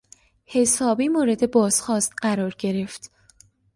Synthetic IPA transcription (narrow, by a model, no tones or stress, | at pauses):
he̞sɒːbiːmoːɾe̞d̪e̞bɒːz̥xɒːst̪ɢæɾɒːɾɟe̞ɾe̞ft̪